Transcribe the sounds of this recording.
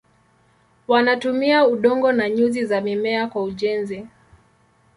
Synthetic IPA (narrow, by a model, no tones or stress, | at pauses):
wanatumiauɗɔŋɡɔnaɲuzizamimɛakwauʄɛnzi